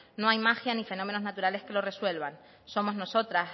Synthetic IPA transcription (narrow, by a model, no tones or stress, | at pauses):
noajmaxjanife̞nome̞no̞znat̪uɾale̞skelo̞re̞swe̞lβan | so̞mo̞zno̞so̞t̪ɾas